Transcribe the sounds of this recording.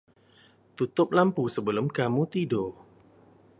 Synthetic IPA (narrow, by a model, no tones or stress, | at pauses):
t̪ut̪ʊp̚lampusəbəlʊmkamut̪ido